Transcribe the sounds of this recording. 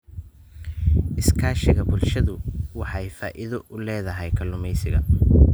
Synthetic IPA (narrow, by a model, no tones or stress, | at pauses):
ʔɪskʰaːʃɪɣɐbʊlʃɐðʊwɑħɑjfaːʔɪðɔʔʊlɛːðɐɦɛjkʰɐlʊmɛjsɪɣɐ̰